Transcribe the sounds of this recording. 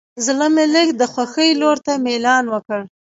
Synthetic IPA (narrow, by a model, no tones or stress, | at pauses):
zləmɪlɪkd̪əxwaxəjloɾt̪amelɑnwəkəɽ